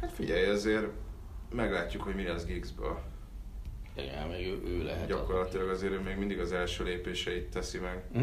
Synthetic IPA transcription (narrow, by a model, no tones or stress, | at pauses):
hat̪fiɟɛjɒzeːr | mɛɡlaːcːukho̞ɟmilɛzɡiɡzbø̰ːl | ɛ̰meːɡøːʔøːlɛ̰ɦɛɟɒko̞rlɒt̪ilɒɡɒzeːɾøːmeːɡmind̪iɡɒzɛlʃøːleːpeːʃɛit̪ːɛsimɛɡ